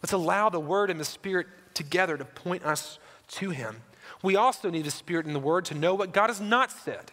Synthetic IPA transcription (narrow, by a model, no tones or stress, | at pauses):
lɛtsəlaʊðəwɜ˞ɾɨ̃nðɨspɪɹɨtʰɨɡɛðə˞ɾɨpʰɔ̃ɪ̃ñʔʌstʰɨɪ̰̃m | wiɔlˠsoʊnid̪ɨspɪɹɨɾn̩ðəwɜ˞d̚tʰɨnoʊwʌt̚ɡ̥ɑɾɨznətsɛ̰d̥